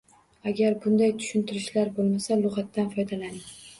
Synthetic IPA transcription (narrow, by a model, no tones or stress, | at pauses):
aɡʲaɾbʊnd̪ajt̪ʰʊ̥ʃɪnt̪ʰɪɾɪʃlaɾbolˠmasalˠʊʁat̪ːanfɒjd̪alanɪ